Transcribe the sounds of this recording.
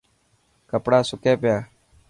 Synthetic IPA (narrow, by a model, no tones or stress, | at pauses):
kəpɽaːsʊkeːpjaː